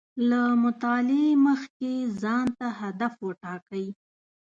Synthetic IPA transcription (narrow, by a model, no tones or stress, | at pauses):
lamʊt̪ɑlɪeməxkezɑnt̪aɦad̪afwəʈɑkəj